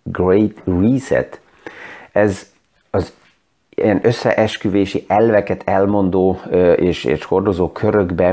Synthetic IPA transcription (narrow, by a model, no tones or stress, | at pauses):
ɡrejt̪riːsɛ̰t̪ | ɛz | ɒz | iɛnø̞sːɛ̰ʔɛʃkyveːʃiʔɛlvɛkɛt̪ʰɛlmo̞nd̪oːeːʃḛːʃho̞rd̪o̞zoːkʰøɾøɡbɛ